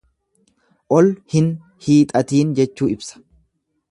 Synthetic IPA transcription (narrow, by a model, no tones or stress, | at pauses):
ʔɔlhɪn | hiːt̪ʼɐt̪iːnd͡ʒɛt͡ʃːuːɪbsɐ̥